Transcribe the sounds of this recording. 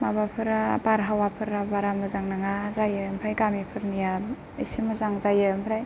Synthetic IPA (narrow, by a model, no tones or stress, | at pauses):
mabapʰɯɾabaɾɦawapʰɯɾabaɾamɯzaŋnaŋazajɯmpʰajɡamipʰɯɾnija | isimɯzaŋzajɯmpʰɾaj